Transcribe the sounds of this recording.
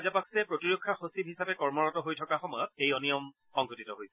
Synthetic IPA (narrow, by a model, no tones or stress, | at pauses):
azapakʰsɛpɹotiɹokʰːaxosib̚ɦisapɛkɔɹmɔɹɔtɔɦojtʰɔkaxɔmɔjɔt̚ejɔnijɔm | xɔŋkʰutitɔɦojsɛ̥